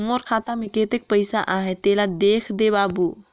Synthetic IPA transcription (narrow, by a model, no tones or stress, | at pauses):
moɾkʰaːt̪amẽkeːt̪ek̚pəɪsaʔaːɦet̪eːlad̪eːkʰd̪ebaːbu